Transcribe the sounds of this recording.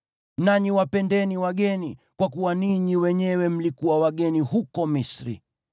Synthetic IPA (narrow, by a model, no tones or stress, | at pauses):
naɲiwapɛndɛniwaɠɛnikwakuwaniɲiwɛɲɛwɛm̩likuwawaɠɛnihukɔmisɾḭ